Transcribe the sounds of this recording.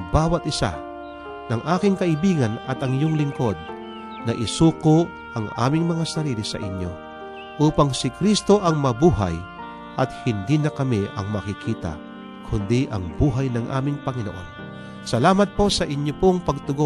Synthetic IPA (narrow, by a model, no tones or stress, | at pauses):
baːwɐt̪ɪsa̰ | nɐŋʔaːkɪŋkɐʔɪbiːɡɐnɐt̪ɐŋjoŋlɪŋko̞d̪̚ | nɐʔɪsuːkoʔ | ʔɐŋʔa̰ːmɪŋmɐŋasɐɾiːlɪsɐ̰ʔɪɲjo̞ | ʔuːpɐŋsɪkɾist̪o̞ʔɐŋmɐbuːɦa̰j | ʔɐt̪hɪnd̪iːnɐkɐmiʔɐ̰ŋmɐkɪkʰiːt̪ɐ̰ | kʰʊnd̪iʔɐ̰ŋbuːɦɐjnɐŋʔa̰ːmɪŋpɐŋɪnoʔo̞̰n | sɐlaːmɐt̪̚po̞sɐʔɪɲjopoŋpɐɡ̚t̪ʊɡo